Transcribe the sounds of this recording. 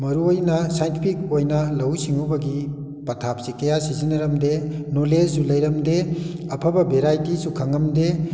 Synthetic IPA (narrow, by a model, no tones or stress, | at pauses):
mɐɾuojnɐsajntipʰik̚ojnɐlɐwsiŋubɐɡi | pɐtʰap̚sikɐjasizinɐɾɐmdenoled͡ʒːulɐjɾɐmdeɐpʰɐbɐbeɾajtisukʰɐŋɐmde